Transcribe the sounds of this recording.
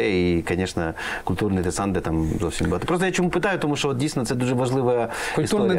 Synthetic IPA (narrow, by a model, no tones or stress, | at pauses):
eikɐnʲeʂnə̰ | kʊlʲt̪urnɨjd̪ɨsand̪ət̪amzofsʲɪmʲblˠat̪ːpɾos̬t̪əjat͡ɕɪmupɨt̪ajʊt̪ɐmuʂt̪ovot̪̚dʲisʲɪnəsɛt̪uʐɨvɐʐlˠɨvəjəkʲɪst̪uoɾ